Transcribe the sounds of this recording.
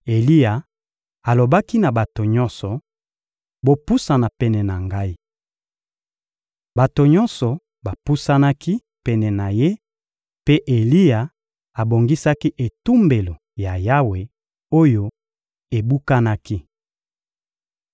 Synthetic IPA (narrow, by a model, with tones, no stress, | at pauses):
e˨li˦ja˨ | a˨lo˨ba˦ki˦na˨ba˨to˨ɲɔ˦nsɔ˨ | bo˦pu˦sa˨na˨pɛ˦nɛ˨na˨ŋɡa˦i˦ | ba˨to˨ɲɔ˦nsɔ˨ | ba˨pu˦sa˦na˦ki˦ | pɛ˦nɛ˨na˨je˦ | pe˦ʔe˨li˦ja˨ | a˨bo˨ŋɡi˦sa˦ki˦ʔe˨tu˦mbe˨lo˨ | ja˨ja˦we˨ | o˦jo˦ | e˨bu˦ka˦na˦ki˦